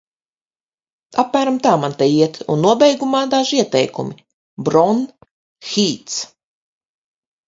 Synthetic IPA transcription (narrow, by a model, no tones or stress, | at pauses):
apmæːɾamt̪aːmant̪ɛjiɛt̪ṵnːuɔbʲɛjɡumaːd̪aʒiɛt̪ɛjkumʲi | bɾɔn | xʲiːt̪s